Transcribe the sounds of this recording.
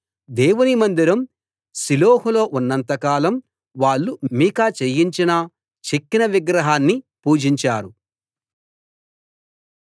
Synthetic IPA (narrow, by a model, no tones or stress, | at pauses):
d̪eːwunimɐnd̪iɾɐm | siloːɦulo̞ːʔunːɐnt̪ɐkaːlɐm | ʋaːɭːumiːkaːt͡ʃejiɲt͡ʃinɐ | t͡ʃekːinɐʋiɡɾɐɦaːnːipuːd͡ʒiɲt͡ʃaːɾu